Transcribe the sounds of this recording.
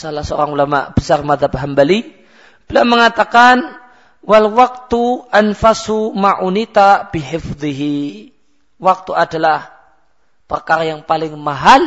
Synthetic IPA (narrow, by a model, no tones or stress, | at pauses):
salahsəo̰ɾaŋulama̰ʔb̥əsarmaðɦab̚ɦambali | b̥əlaməŋat̪akan | walwak̚t̪uʔanfasumaʔunit̪abiɦɪfd̪ˤiɦi | wak̚t̪uadalah | pərkaɾajaŋpalɪŋmaɦal